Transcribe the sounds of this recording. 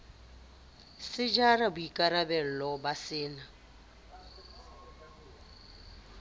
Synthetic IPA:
sɪd͡ʒarabʊikʼaɾabɛl̩lɔbasɪːna

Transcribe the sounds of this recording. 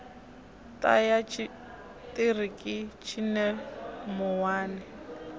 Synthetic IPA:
tʼa̰jat͡ʃʰ | tʼirikʼɪt͡ʃʰinɛmʊwaːnɪ

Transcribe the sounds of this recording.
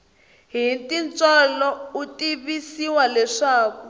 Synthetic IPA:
ɦintint͡sʼɔlɔutiβisiwalɛʂaːku

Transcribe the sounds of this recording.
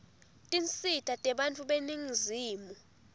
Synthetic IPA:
tʼint͡sʼitʰʼatʼɛɓantʼuɓeniŋziːmu

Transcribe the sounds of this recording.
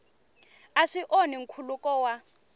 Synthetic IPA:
aʂiʔoniŋ̩kʰulukɔwa

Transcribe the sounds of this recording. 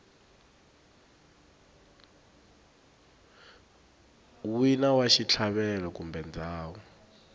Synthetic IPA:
winawaʃit͡ɬʰaɓɛlɔkumbʱɛnd͡zʱaːwɔ

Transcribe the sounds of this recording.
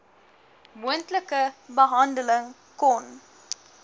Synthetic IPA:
muəntləkəbəɦɐndələŋ | kɔn

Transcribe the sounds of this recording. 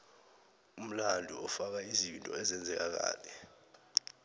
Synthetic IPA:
um̩landʱuɔfak̬aizintʼɔ̰ɛzɛnd͡zʱɛk̬ak̬a̰ːlɛ

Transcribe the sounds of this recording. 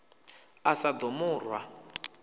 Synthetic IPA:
asad̪ʊmʊːrwa

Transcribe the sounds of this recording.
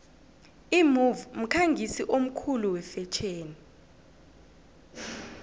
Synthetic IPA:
imuvm̩kʰaŋɡʱisiʔom̩kʰuluwɛfɛt͡ʃʼʰeːni

